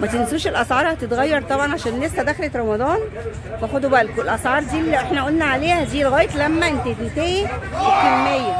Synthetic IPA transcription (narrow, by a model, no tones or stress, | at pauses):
mæt̪ensuːʃelʔɑsʕɑːɾˤhæt̪et̪ɣæjːɑɾˤt̪ˤɑbʕɑnʕaʃæːnːestæd̪æxlet̪ɾˤɑmɑd̪ˤɑːn | bæxod̪ubæʔlkoelʔɑsʕɑːɾˤd̪iːlːiʔeħnæʔæʔolnæʕaleːhæd̪iːlɣæːjet̪læmːæʔent̪æt̪ent̪æhiwekelmejːæ